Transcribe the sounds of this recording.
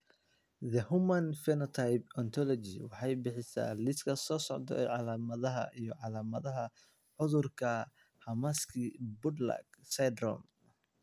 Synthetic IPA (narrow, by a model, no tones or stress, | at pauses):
ðɐhʊmɐnfɛnɔt̪ʰajbɔnt̪ʰɔlɔt͡ʃḭwɑħɑjbɪħɪsa̰ːlɪskʰɐsɔːsɔʕd̪ɔ̰ʕɑlaːmɐðɐɦɐ̰ʔijɞʕɑlaːmɐðɐɦɐ | ħʊðʊrkʰɐ | hɐmaskʰibʊd̪lɐ̰ɡsɛd̪rɔ̰m